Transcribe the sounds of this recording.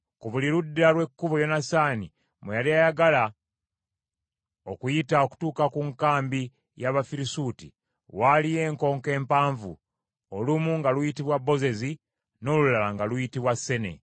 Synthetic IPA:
kuβuliɾudːalwe̞kːuβojo̞nasaːni | mejaliajaɡala | o̞kujitao̞ku̥tuːkakuŋkaːmbi | jaβafiɾisuːti | walije̞ːŋko̞ːŋke̞ːmpaːɱvṵ | olumuŋɡalujitiβwabːo̞ze̞zi | no̞ːlulalaŋɡalujitiβwasːe̞ne̞̰

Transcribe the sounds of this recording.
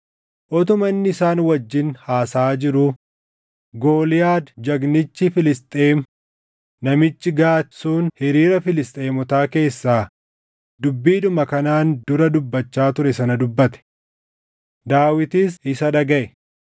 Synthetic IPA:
ʔɔt̪ʊmɐnːɪɪsaːnwɐd͡ʒːɪnhaːsaːd͡ʒɪɾʊ | ɡo̞ːlɪjaːd̪d͡ʒɐɡnɪt͡ʃːɪfɪlɪst̪ʼeːm | nɐmɪt͡ʃːɪɡaːt̪suːnhɪɾiːɾɐfɪlɪst̪ʼe̞ːmɔt̪aːke̞ːsːaː | d̪ʊbːiːᶑ̪ʊmɐkɐnaːnd̪ʊɾɐd̪ʊbːɐt͡ʃːaːt̪ʊɾɛsɐnɐd̪ʊbːɐt̪ɛ̥ | d̪aːwɪt̪iːs̬ɪsɐᶑɐɡɐʔɛ

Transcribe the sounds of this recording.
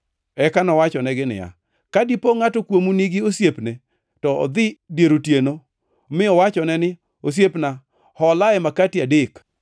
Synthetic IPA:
ɛkanɔwat͡ʃɔnɛɡɪnɪ̰ja̰ | kadipoŋatɔkwomuniɡɪosjepne | tɔɔ̰d̪ɪdjeɾotjeno | mɪɔwat͡ʃɔnɛnɪ | os̬jepna | hɔlaɛmakatɪadɪk

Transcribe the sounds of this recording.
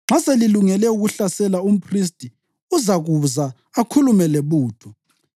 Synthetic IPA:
ŋ͡ǁʱaseliluŋɛlɛuɣuɬasɛlaum̩pʰris̬tʼi | uzaɣuza | akʰulumɛleβuːtʰu

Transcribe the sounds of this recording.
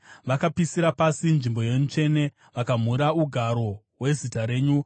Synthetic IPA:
ʋakapisiɾapasinʐimbo̞je̞ɲut͡ʃe̞ne̞ | ʋakam̤uɾauɡʱaɾo̞ | we̞zitaɾe̞ːɲu

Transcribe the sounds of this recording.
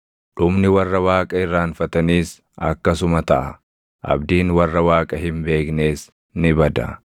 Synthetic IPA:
ᶑʊmnɪwɐrːɐwaːkʼɐɪrːaːnfɐt̪ɐniːs | ɐ̰kːɐsʊmɐt̪ɐʔɐ | ʔɐ̰bd̪iːnwɐrːɐwaːkʼɐɦɪmbe̞ːkne̞ːs | nɪbɐd̪ɐ̰

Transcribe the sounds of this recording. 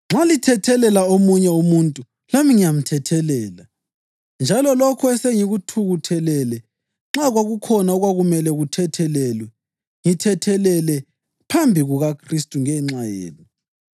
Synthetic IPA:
ŋ͡ǁalitʰɛtʰɛlɛlaomuɲɛumuntʼu | lamiŋijam̩tʰɛtʰɛlɛːla | nd͡ʒʱalɔlɔkʰɔɛseŋiɣutʰuɣutʰɛlɛlɛ | ŋ͡ǁaɣwaɣukʰɔnaɔɣwaɣumɛlɛɣutʰɛtʰɛlɛːlwɛ | ŋitʰɛtʰɛlɛlɛ | pʰambʱiɣuɣakʰristʼuŋɛŋ͡ǁajḛːlɔ

